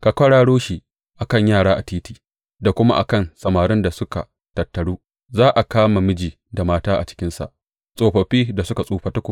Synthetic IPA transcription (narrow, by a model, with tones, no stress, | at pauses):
ka˨kʷɐ˦ɽaː˦ɽoː˦ʃi˦˨ | ʔa˨kɐ˦˨ɲjaː˦˨ɽaː˦ʔa˨tiː˦tiː˨ | da˨kʷʊ˦ma̰˦ʔa̰˨kɐ˦˨nsɐ˨maː˨ɾɪ˦nda˨sʊ˦ka̰˨ | tɐ˨tːɐ˨ɽuː˦ | zaː˦ʔa˨kaː˦ma˨mɪ˦d͡ʒiː˨ | da˨maː˦taː˦ʔa̰˨t͡ʃɪ̥˦kʲɪ˦nsa̰˨ʔ | sʼoː˨ɸɐ˨ɸiː˦da˨sʊ˦ka˨sʼuː˦ɸɐ˦tɐ˦kʷʊ˨